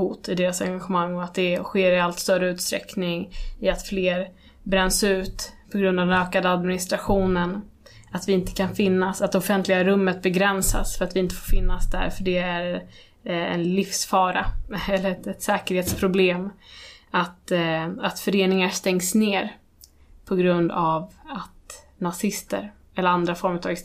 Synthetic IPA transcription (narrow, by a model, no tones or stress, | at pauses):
huːt̪ɪd̪eːɾasaɾŋɡaɧɛmaŋːɔat̪̚d̪ɛɧeːɾɪalt̪st̪œɾəʉ̟ːt̪st̪ɾɛ̰knɪŋɪat̪fleːɾ | bɾɛnːsʉ̟ːt̪pʰɔɡɾɵnd̪avdɛnøːkad̪əad̪mɪnɪst̪ɾaɧuːnən | at̪vɪɪnt̪ə̥kʰanfɪnːasat̪̚d̪ɛɔfɛnt̪lɪɡaɾɵmːət̪̚bɛɡɾɛnsa̰sfœɾat̪vɪɪnt̪əfoːɾfɪnːasd̪æ̰ɾfœɖɛæɾ | ɛ̰nlɪfsfɑːɾaɛlːəɾɛɛt̪sɛːkəɾheːt̪spʰɾʊbleːm | at̪at̪fœɾeːnɪŋast̪ɛŋsneːɾ | pʰɔɡɾɵnd̪avat̪ | nasɪst̪ə̰ɾ | ɛlːəɾand̪ɾafɔɾmʉɾt̪ʰɑːɡ